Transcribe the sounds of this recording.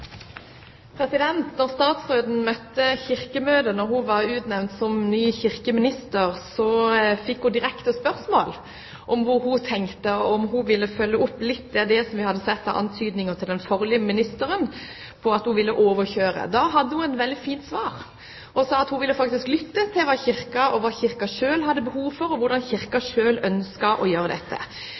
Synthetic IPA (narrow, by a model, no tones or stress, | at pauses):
pʰɾɛsɪd̪ɛnt̪nɔʁst̪ɑːt̪sʁoːd̪n̩mœt̪ːəçɪʁkəmøːd̪ənɔɾhuʋɑʁʉːt̪nɛʋnt̪sɔmnyːçɪʁkəmɪnɪst̪əʁsɔfɪkːhud̪ɪɾɛkt̪əspœʁsmoːl | ʔɔmʋʊhut̪ʰɛŋkt̪əɔmhuʋɪlːəfœlːəʊpːlɪt̪ːd̪ɛd̪ɛsɔmʋɪhɑd̪ːəsɛt̪ːɑ̰ʔɑ̰nt̪ʰyːd̪nɪŋəʁt̪ʰɪld̪ɛnfɔʁlɪəmɪnɪst̪əɾən | pʰɔɑt̪hʊʋɪlːəʔoːʋəɾçøːɾə̰d̪ɑːɦɑd̪ːəhʊɛnʋɛld̪ɪfiːnt̪sʋɑːʁ | ʔɔsɑːɑt̪hʊʋɪlːəfɑkt̪ɪsklʏt̪ːət̪ʰɪlʋɑːçɪʁkɑʔɔʋɑːçɪʁkɑʂøːlhɑd̪ːəbəhuːʋfɔɾɔʋʊɾɖɑnçɪʁkɑʂøːlœnskɑʔɔjøːɾəd̪ɛt̪ʰːə̰